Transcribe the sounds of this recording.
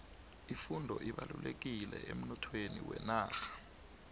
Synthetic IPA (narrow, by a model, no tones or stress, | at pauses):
ifundʱɔʔiɓalulek̬ilɛʔem̩nɔtʰweniwɛnaːxḁ